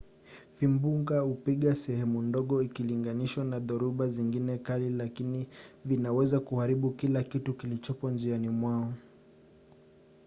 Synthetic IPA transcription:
fimbuŋɡaupiɠasɛhɛmundɔɠɔikiliŋɡaniʃwanaðɔɾuɓaziŋɡinɛkalilakinivinawɛzakuhaɾiɓukilakitukilit͡ʃɔpɔnd͡ʒianimwaɔ

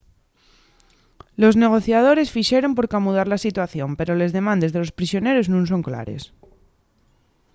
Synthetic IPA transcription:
lo̞zne̞ɣ̞o̞θjað̞o̞ɾe̞sfiʃe̞ɾo̞mpo̞ɾkamuðaɾlasit̪waθjo̞mpe̞ɾo̞le̞zðemãnd̪e̞zðe̞lo̞spɾisjo̞ne̞ɾo̞znũns̬o̞ŋkla̰ɾe̞̰s

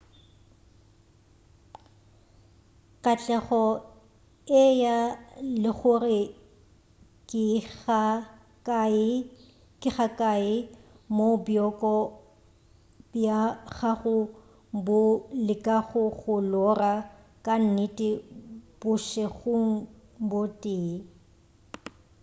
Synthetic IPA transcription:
kʼat͡ɬʼɛχɔ | ɪjalɪɣʊrɪ | kʼɪa | kʼɪɣakʼaɪ | mobjɔkʼɔ | bjaɣaɣʊ | bʊlɪkʼaɣʊɣʊlɔra | kʼan̩nɪtʼɪb̥ʊʃɛɣʊŋ̩ | botʼɪː

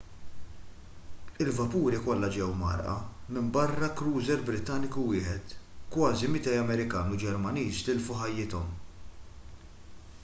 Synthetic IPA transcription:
ɪlvɐpuːɾikɔlːɐd͡ʒɛɛwmɐ̰ɾʔɐ̰mɪmbɐrːɐkɾuːzɛɾbɾɪt̪ːɐnɪkuwɪːħɛt̪kwɐːzimɪt̪ɛjɐmɛɾɪkɐːnud͡ʒɛɾmɐniːst̪ɪlfuħɐjːɪt̪ɔm

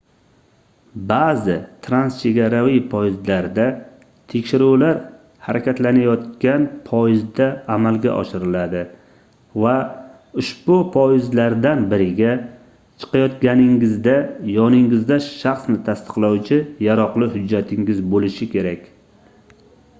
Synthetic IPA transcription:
bazɪt̪ʰɾanst͡ʃʰe̞ɡʲaɾavɪpʰɒjɪzlaɾd̪a | t̪ʰekʲʃɪɾuwlaɾ | haɾakʲat̪lanajɒt̪kʲanpʰɒjɪzd̪aːmalɡʲa̰ʔɒ̰ʃɪɾɪlad̪ɪ | va | ʊʃbʊpʰɒjɪzlaɾd̪anbɪɾɪɡʲa | t͡ʃʰɨ̥qɑjɒt̪ɡʲanɪŋɪzd̪ajɒnɪŋɪzd̪aʃaχsnɪt̪ʰast̪ɨ̥qlˠawt͡ʃʰɪjaɾɒqlˠɪhʊd͡ʒːat̪ʰɪŋɡɪzbolɪʃɪkʲe̞ɾakʲ

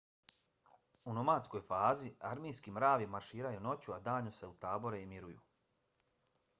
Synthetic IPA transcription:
uno̞maːt̪sko̞jfaːziaɾmijskimɾaːʋimaɾʃiːɾajuno̞t͡ɕuad̪aːɲuse̞ut̪aːbo̞ɾeimiɾujṵ

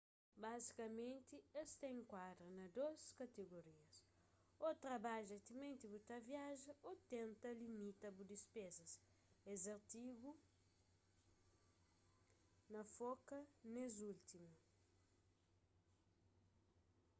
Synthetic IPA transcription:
bazikɐmẽnt̪iest̪ɐẽŋkwad̪ɾɐnɐd̪oskɐt̪eɡoɾiɐs | ot̪ɾɐbaʒɐt̪imẽnt̪ibut̪ɐvjaʒɐʔot̪ẽnt̪ɐlimit̪ɐbud̪ispezɐs | ezɐɾt̪iɡu | nɐfokɐnezult̪imu

